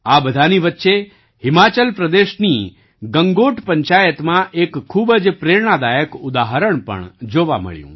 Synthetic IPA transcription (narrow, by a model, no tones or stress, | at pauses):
abəd̪ʱaniʋətːʃe | hɪmat͡ʃəlpɾəd̪eʃni | ɡəŋɡoʈpəɲt͡ʃajət̪mãʔekʰːubəd͡ʒpɾeɾɳ̃ad̪ajəkʊd̪aɦəɾəɳpə̰ɳd͡ʒoʋa̰mə̰ɭjṵ̃